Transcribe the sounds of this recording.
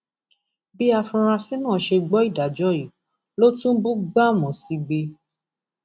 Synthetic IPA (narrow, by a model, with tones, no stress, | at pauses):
bi˦a˧fũ˧ɾ̃a˧si˦nãː˦˨ʃe˧ɡ͡bɔ˨˦i˦˨da˨d͡ʒɔ˨˦i˨ | lo˦tũ˦bu˦ɡ͡ba˦˨mɔ̃˨si˧˦ɡ͡be˧